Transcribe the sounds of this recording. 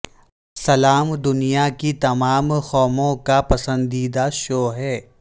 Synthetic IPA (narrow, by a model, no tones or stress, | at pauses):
sɐlaːmd̪ʊnijakit̪ɐmaːmxɔːmõkapɐsə̃nd̪iːd̪aʃoːɦɛː